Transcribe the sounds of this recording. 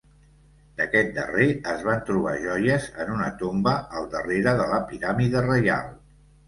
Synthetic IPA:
d̪əkɛt̪̚d̪ə̰reəzβant̪ɾuβ̞a̰ʒɔjəzənunət̪ombəəlˠd̪əreɾəðələpiɾamiðərəja̰lˠ

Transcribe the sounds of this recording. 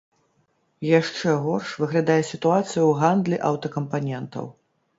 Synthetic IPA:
jaʂt͡ʂɛɣɔrʂvɨɣlʲad̪ajɛsʲit̪uat̪sɨjuwɣand̪lʲiʔɐwt̪ɐkɐmpanʲɛnt̪ɐ̰w

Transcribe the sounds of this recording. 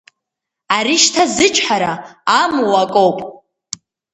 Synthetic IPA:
aɾiʃtʰazɨt͡ʃʷʼʰħaɾaamuwakʼo̞wpʼ

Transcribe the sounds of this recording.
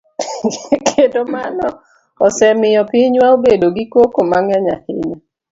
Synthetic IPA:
kʰedomanɔ | ɔsɛmɪjɔpiɲwaobedoɡikwokomaŋjaɲa̰hɪɲe

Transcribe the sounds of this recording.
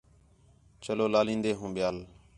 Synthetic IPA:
t͡ʃəloːlaːlĩːnd̪eːɦũːɓɪjaːl

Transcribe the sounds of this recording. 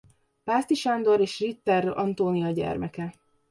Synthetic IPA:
paːst̪iʃand̪o̞ɾeːʃrit̪ːɛrɒnt̪oːnijɒɟɛ̰rmɛkɛ

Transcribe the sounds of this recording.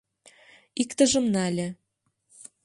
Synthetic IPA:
ikt̪ə̆ʒə̆mnælʲĕ

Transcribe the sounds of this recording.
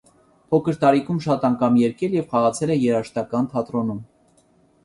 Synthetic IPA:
pʰɔkʰəɾt̪ɑɾikʰumʃɑt̪ɑŋkʰɑmjɛɾkɛljɛvχɑʁɑt͡sʰɛlɛjɛɾɑʃt̪ɑkɑnt̪ʰɑt̪ɾɔnum

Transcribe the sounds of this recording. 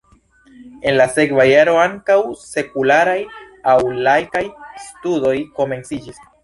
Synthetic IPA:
e̞nlase̞kvajaɾo̞aŋkawse̞kulaɾaj | awlajkajstudo̞jko̞me̞nsid͡ʒis

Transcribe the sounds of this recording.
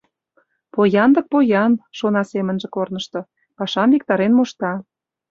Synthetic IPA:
pojɑnd̪ɤ̆k̚pojɑnʃonɑsemə̆nʒĕkornə̆ʃt̪ɤ̆ | pɑʃɑmvik̚t̪ɑɾenmoʃt̪ɑ

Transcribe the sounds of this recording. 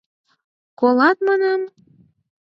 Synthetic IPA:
kolɑt̪̚mɑnɑm

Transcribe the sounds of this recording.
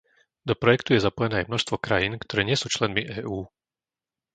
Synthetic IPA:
d̪ɔpɾɔjɛkt̪ujɛzapɔjɛnɛːajmnɔʃst̪ʋɔkɾajiːnkt̪ɔɾɛːɲɪɛsuːt͡ʃlɛnmiʔɛːʔuː

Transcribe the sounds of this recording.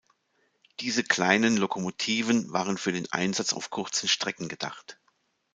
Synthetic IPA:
d̥iːzəkl̥aɪnənlokʰomotʰiːvənvaːʁənfyːɐdeːnʔa̰ɪnzat͡sa̰ʊfkʰʊʁt͡sn̩ʃtʁ̥ɛkŋ̩ɡəd̥a̰χt

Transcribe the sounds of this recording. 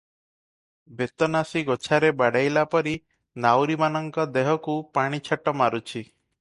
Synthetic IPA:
bet̪ɔnasiɡot͡ʃʰaɾebaɽajlapɔɾi | nawɾimanɔŋkɔd̪eɦɔkupaɽ̃it͡ʃʰaʈɔmaɾut͡ʃʰi

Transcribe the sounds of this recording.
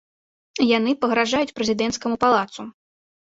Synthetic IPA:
janɨpɐɣɾaʐajut͡sʲpɾɛzʲid̪ɛnt̪skɐmupalˠat̪su

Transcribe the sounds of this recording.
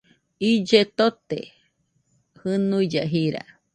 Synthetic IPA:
id͡ʒet̪ot̪ḛ | hɨnuid͡ʒaɦiɾa̰

